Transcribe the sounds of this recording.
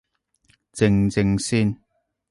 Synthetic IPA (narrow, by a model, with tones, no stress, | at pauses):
t͡sɪ˧ŋt͡sɪ˧ŋsiː˥n